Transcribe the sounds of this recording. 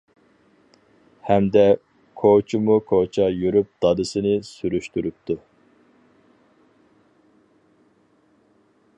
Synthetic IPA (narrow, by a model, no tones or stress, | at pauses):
hɛmd̪ɛ | kʰot͡ʃʰimukʰot͡ʃʰɑjyɾyp̚d̪̥ɑd̪ɨsɨnɨsyɾyʃt̪yɾyp̚t̪ʰu